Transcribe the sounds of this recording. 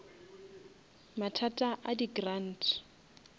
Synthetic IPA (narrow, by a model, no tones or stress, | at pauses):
matʰatʼaʔadiɡrantʰ